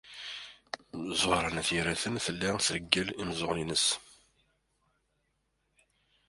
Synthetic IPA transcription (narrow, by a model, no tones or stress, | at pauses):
zˤʊhɾˤɑnæθiɾæθənθəlːisɾəɡːælimzˤoʁlinəs